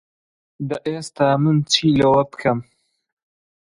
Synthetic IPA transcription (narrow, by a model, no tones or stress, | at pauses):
d̪ɐʔeːst̪aːmɨnt͡sʰiːlɐwɐpɨ̥kʰɐm